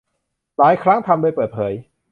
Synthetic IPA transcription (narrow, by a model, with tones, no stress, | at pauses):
laː˩˦jkʰɾa˦˥ŋt̪ʰa˧mdoː˧jpəɤː˨˩t̪̚pʰɤː˩˦j